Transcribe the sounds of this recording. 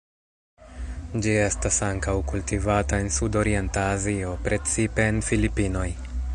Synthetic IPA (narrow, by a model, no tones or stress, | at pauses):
d͡ʒie̞stasaŋkawkultivatae̞nsudo̞ɾie̞ntaːzio̞pɾʔe̞t͡sipe̞ːnfilipino̞j